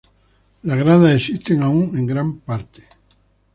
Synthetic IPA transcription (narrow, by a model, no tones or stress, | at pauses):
laɣɾaðaesist̪eŋauŋẽ̞ŋɡɾampaɾt̪e̥